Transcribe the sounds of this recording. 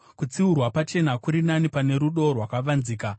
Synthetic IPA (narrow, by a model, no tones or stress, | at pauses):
kut͡siurwapat͡ʃe̞nakuɾinanipane̞ɾuɗo̞rwakaʋanziːka